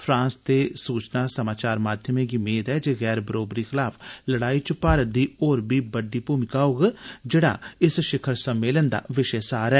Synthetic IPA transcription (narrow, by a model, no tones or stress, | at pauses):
pʰɾãːnst̪eːsuːt͡ʃnaːsəmaːt͡ʃaːɾmaːd̪ʱjəmẽːɡɪmeːt̪ɛːd͡ʒeːɣɛːɾbəɾoːbɾiːxʰɪlaːpʰləɽaːiːt͡ʃpaːɾəd̪iːoːɾbiːbəɖːiːpuːmɪkaːoɡd͡ʒeːɽa̰ːɪsʃɪkʰəɾsəmːeːlənd̪a̰ːʋɪʃɛːsaːɾɛː